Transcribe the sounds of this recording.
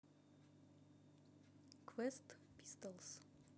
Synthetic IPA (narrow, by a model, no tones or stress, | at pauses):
kʰwɛst̪ | pist̪əls